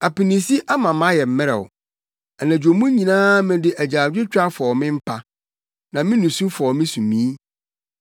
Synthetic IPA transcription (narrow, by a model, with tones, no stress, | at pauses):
a˨pɪ˨nĩ˨si˦ʔa˦mã˨mã˦jɛ˨m̩˨mɪ̃˦ɾɛ̰˨wʊ̰˨ | ɛ˨næ̃˨d͡ʑᶣo˨mũ˦ɲĩ˨nãː˦mɪ̃˦dɪ˦ʔæ˨d͡ʑaː˨d͡ʑᶣɪ˦t͡ɕᶣa˦fɔ˨ɔ˨mɪ̃˦m̩˦pʰa˦ | nã˨mɪ̃˦nũ˨sũ˦fɔ˨mɪ̃˦sũ˨mĩ˨˦